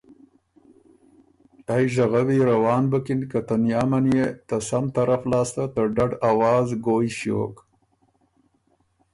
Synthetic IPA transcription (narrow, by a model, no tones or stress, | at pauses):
ajʒaɣawiɾawɑːnbəkɪnkat̪anjɑːmanjet̪asamt̪aɾaflɑːst̪at̪əɖaɖawɑːzɡoːjʃjo̰ːk